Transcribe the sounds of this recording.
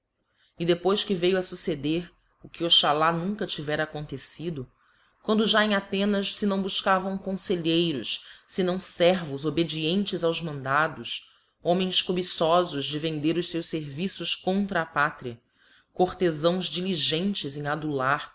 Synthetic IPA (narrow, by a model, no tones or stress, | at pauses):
ɪd̪epojskɪvejwɐsused̪eɾ | ʊkɪoʃalanũŋkɐt͡ʃivɛɾɐaːkõnt̪esid̪ʊ | kwɐ̃nd̪ʊʒaẽj̃at̪ẽnɐʃsɪnɐ̃w̃buʃkavɐ̃w̃kõseʎejɾʊʃsɪnɐ̃w̃sɛɾvʊzobed͡ʒiẽnt͡ʃɪzawzmɐ̃nd̪ad̪ʊs | õmẽj̃skobisɔzʊʒd͡ʒɪvẽnd̪eɾʊʃsewʃseɾvisʊʃkõnt̪ɾɐːpat̪ɾiɐ | koɾt̪ezɐ̃w̃zd͡ʒiliʒẽnt͡ʃɪzẽj̃ad̪ulaɾ